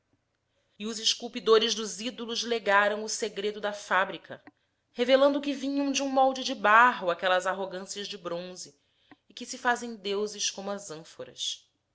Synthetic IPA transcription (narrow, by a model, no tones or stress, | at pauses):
ɪʊzɪʃkuwpid̪oɾɪʒd̪ʊzid̪olʊzleɡaɾɐ̃w̃ʊseɡɾed̪ʊd̪ɐfabɾikʰɐ̰ | hevelɐ̃nd̪ʊkɪvĩɲɐ̃w̃d͡ʒɪũmɔwd͡ʒɪd͡ʒɪbaɦʊakɛlɐzaɦoɡɐ̃siɐzd͡ʒɪbɾõzɪː | kɪsɪfazẽj̃d̪ewzɪʃkõmʊɐzɐ̃foɾɐ̰s